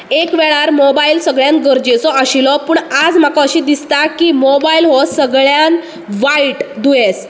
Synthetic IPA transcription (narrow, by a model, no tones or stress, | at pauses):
ekʋɛɭaɾmobailsəɡɭjãn̚ɡəɾd͡ʑet͡sɔəɕilɔpuːɳad͡zm̤akɔəɕiːd̪ist̪akiːmobailɦɔsəɡɭjan | ʋaiʈd̪ujes